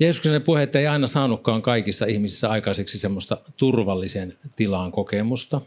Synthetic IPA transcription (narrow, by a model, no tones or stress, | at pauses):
jeːsuksenepuheet̪ːeiɑinɑsɑːnukːɑːŋkɑikisːɑihmisisːæɑikɑseksisemːost̪ɑt̪urʋɑlːisent̪ilɑŋkokemust̪ɑ